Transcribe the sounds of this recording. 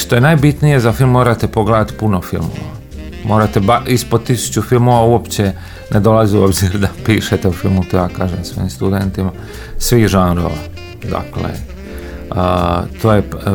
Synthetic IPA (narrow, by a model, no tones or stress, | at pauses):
ʃt̪o̞je̞najbit̪nije̞zafilˠmːmoːɾat̪epo̞ɡled̪at̪puno̞filˠmo̰ʋa̰ | mo̞ːɾat̪ebaispod̪̚t̪isu̥t͡ɕufilˠmo̞ʋauopt͡ɕe | nʔed̪o̞laziuo̞bziɾd̪apiːʃet̪eufilˠmut̪ojaːkaːʒemsʋo̞̰jimst̪ud̪e̞nt̪ima | sʋixʒanɾo̰ʋa̰ | d̪a̰klḛ | t̪ʰoːje